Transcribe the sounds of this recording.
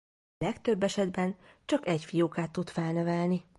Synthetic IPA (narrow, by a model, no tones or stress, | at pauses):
lɛkt̪øbːɛʃɛd̪bɛn | t͡ʃɒkɛcfijoːkaːt̪ːut̪fɛlnɛvɛlni